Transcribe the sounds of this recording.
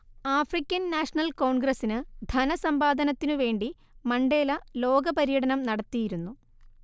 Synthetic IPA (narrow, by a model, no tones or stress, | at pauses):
aːfrikʲːɐnːaːʂɐnɐlko̞ːɳɡɾɐsinɨd̪ʱɐnɐsɐmbaːd̪ʱɐnɐt̪ːinɨʋe̞ːɳɖi | mɐɳɖe̞ːlɐlo̞ːɡɐpɐɾijɐɽɐnɐmnɐɽɐt̪ːijiɾunːu